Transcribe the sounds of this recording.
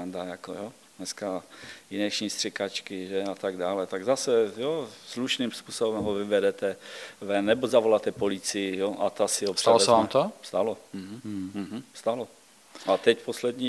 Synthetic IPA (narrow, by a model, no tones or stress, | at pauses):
ndajakojo | nɛskajɪnɛʃɲist̪r̥ɛkat͡ʃkɪʒɛat̪aɡdaːlɛt̪aɡzasɛjosluʃniːmspuːsobɛmɦovɪvɛdɛt̪ɛvɛnːɛbozavo̞lat̪ɛpolɪt͡sɪjɪjoʔat̪asɪɦosr̥ɛlsɛamt̪ost̪aloɦ̩m̩ɦ̩st̪alo | at̪ɛcposlɛd̪ɲiː